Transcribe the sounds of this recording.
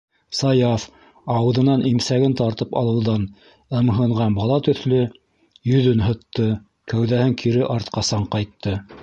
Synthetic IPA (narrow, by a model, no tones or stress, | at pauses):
sɑjɑf | ɑwɤ̆ðɤ̆nɑnʔimsæɡɘnt̪ɑɾt̪ɤpɑ̰lˠɤ̆wðɑn | ɤ̆mɦɤ̆ɴʁɑnbɑlˠɑt̪ɵ̆θlɵ | jɵ̆ðɵnɦɤ̆t̪ːɤ | kæwðæhɘŋkʰiɾɘʔɑɾt̪̚qɑsɑɴqɑjt̪ːɤ